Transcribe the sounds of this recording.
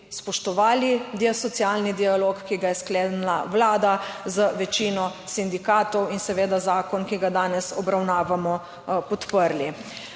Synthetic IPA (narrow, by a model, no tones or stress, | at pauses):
spɔʃt̪ɔʋaːlid̪iɛsɔt̪sjalnid̪ialoːkkːiɡajɛskleːd̪nlawlaːd̪azəʋɛt͡ʃiːnɔsind̪ikaːt̪ɔwinsɛʋeːd̪azaːkɔnkiɡad̪aːnɛsɔbɾawnaːʋamɔ | pɔt̪pəɾli